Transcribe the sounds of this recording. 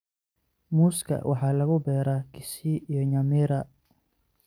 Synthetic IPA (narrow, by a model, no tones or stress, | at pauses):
muːskʰɐ̰wʔɑ̰ħɑːlɐɣʊbɛːɾakʰɪ̥siʔijɔɲɐmɪɾɐ